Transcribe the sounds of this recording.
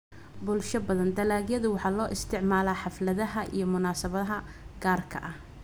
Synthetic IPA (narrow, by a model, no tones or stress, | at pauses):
bʊlʃɐbɐðɐnd̪ɐlaːɡjɐðʊwɑħɑːlɔːʔɪst̪ʰɪʕmaːlaːħɑflɐðɐɦɐʔḭjɞmʊnaːsɐβɐðɐɦɐ | ɡaːrkʰɐ̰ʔɐh